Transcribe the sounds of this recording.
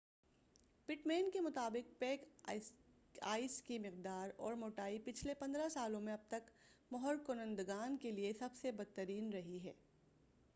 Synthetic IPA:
pɪʈmeːnkemʊt̪aːbɪq̚peːk | aːiskimɪqd̪aːɾɔ̰ːɾmoːʈaːipɪt͡ʃʰlepɐ̃nd̪ɾasaːlõmẽɐb̚t̪ɐk | mɔɦəɾkʊnə̃nd̪ɡaːnkeliesɐbsebɐd̪̚t̪ːəɾiːnɾɐɦiɦɛː

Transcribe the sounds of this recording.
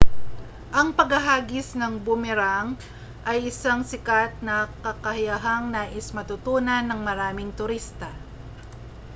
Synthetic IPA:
ʔɐŋpɐɡɐɦaːɡɪsnɐŋbʊmɛɾaŋ | ʔɐjʔɪsaŋsɪkat̪̚nɐkɐkɐhajɐɦaŋnaːʔɪsmɐt̪ʊt̪uːnɐnːɐŋmɐɾaːmɪŋt̪ʊɾist̪ɐ

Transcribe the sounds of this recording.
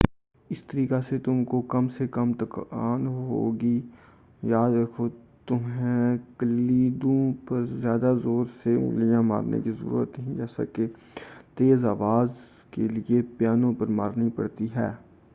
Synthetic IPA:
ɪst̪əɾiːkaset̪ʊmkokɐmsekɐmt̪ɐkaːnɦo̰ːɡi | jaːd̪ɾɐkʰo | t̪ʊmɦẽkəliːd̪õpɐɾzjaːd̪azoːɾsemʊ̰lijãma̰ːɾnḛkizə̰ɾṵːɾə̰t̪nəɦĩd͡ʒɛːsa̰ke | t̪eːzaːʋaːz | keliepjaːnõpɐɾma̰ːɾnipɐ̰ɽt̪iɦɛː

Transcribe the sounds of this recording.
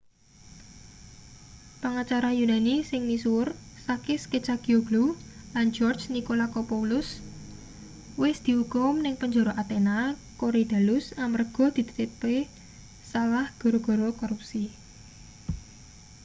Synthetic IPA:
pəŋat͡ʃaɾajunanisɪŋnisuʊrsakɪsket͡ʃaɡ̥ioɡ̥lulan̥d͡ʒɔrd͡ʒnikolakɔpoulʊs | wɪsd̪̥i̤ukʊmnɪŋpəɲd͡ʒoɾɔʔat̪enakoɾid̪̥a̤lʊsamərɡ̥ɔ̤d̪̥i̤t̪ət̪ɪpe | salahɡ̥ɔ̤ɾoɡ̥ɔ̤ɾɔkɔɾup̚si

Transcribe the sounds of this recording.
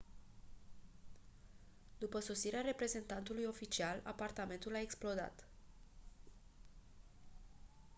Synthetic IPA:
d̪upəso̞siɾeaɾe̞pɾe̞ze̞nt̪ant̪ulujo̞fit͡ʃiala̰part̪ame̞nt̪ulaeksplo̞d̪a̰t̪

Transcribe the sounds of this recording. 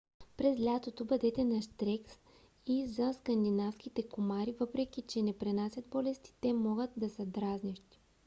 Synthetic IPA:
pɾɛzlʲat̪ot̪obɐd̪ɛt̪ɛnɐʃt̪ɾɛks | izɐskɐnd̪inafskit̪ɛkomaɾivɤpɾɛk̟it͡ʃɛnɛpɾɛnasʲɐt̪̚bɔlɛst̪i̥t̪ɛmɔɡət̪̚d̪ɐsɐd̪ɾazniʃt̪i̥

